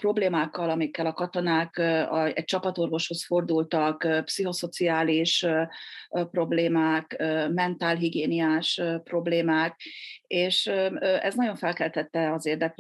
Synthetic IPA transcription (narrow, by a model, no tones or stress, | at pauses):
pro̞bleːmaːkːɒlɒmikːɛlɒkɒt̪o̞naːkɒɛ̰c̚t͡ʃɒpɒt̪o̞rvo̞ʃho̞sfo̞rd̪ult̪ɒkːpsiɦo̞so̞t̪siaːliʃ | pro̞bleːmaːkømɛnt̪aːlɦiɡeːniaːʃpro̞bleːmaːk̚eːʃɛ̰znɒɟo̞ɱfɛlkɛlt̪ɛt̪ːɛɒzeːrd̪ɛk